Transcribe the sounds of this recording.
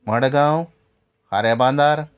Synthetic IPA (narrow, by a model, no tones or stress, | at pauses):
mɐɳɽɡãːõ | haɾebãːnd̪aːɾ